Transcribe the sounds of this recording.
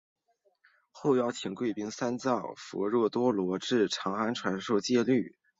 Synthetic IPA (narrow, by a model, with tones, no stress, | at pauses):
xo˥˧ʊjɑ˥˩ʊt̪ʰi˨˩ŋkwe˥˩ɪpi˥ŋsa˥nt͡sɑ˥˩ʊfɔ̰˧˥ɻɔ˥˩t̪wɔ˥lwɔ˧˥ʈ͡ʂɻ̩˥˩ʈ͡ʂʰɑ˧˥ŋxa˥nʈ͡ʂʰwa˧˥nʂo˥˧ʊt͡ɕjɛ˥˧ly˥˩